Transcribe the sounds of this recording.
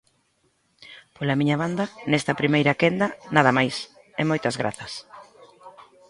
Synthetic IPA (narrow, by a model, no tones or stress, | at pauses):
polɐmiɲɐβand̪ɐnɛst̪ɐpɾimejɾɐkend̪ɐnaðɐmajs | ɛmojt̪ɐzɣɾa̰θɐs